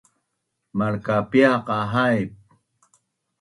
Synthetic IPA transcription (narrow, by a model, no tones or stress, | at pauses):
maɾkapjaqɑɦajp̚